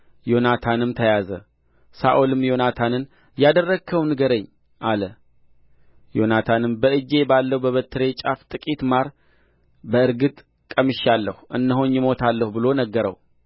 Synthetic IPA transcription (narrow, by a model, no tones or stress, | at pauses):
jo̞nat̪ʰanɨmt̪ʰəjazə̰ | saʔolɨmjo̞nat̪ʰanɨn | jad̪ərːəɡkʰːəwnɨɡəɾəɲː | ʔalə | jo̞nat̪ʰanɨmbəɨd͡ʒe̞balːəwbəβət̪ʰːɨɾe̞t͡ʃʼaft̪ʼɨkʼit̪maɾ | bəɨɾɡɨt̪ʼ | kʼəmɨʃalːəhuʔɨnːəɦonjɪmo̞t̪ʰalːəhubɨlo̞nəɡːəɾə̰w